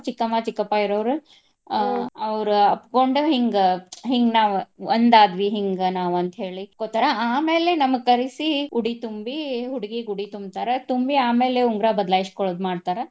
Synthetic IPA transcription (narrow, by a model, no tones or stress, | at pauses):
t͡ʃikːɐmaːt͡ʃikːɐpːaːiɾoːʋɾu | ɐʋɾuɐpkoɳɖuɦiŋɡɦiŋɡnaːʋond̪aːd̪ʋiɦiŋɡnaːʋɐnt̪ɐɦe̞ːɭikot̪ːɐɾaaːmeːlenɐmɐɡ̚kɐɾisiuɽit̪umbiɦuɽiɡiɡuɽit̪umbt̪aːɾet̪umbiaːmeːleuŋɡɾabɐd̪laːjiskoɭod̪maːɖt̪aːɾe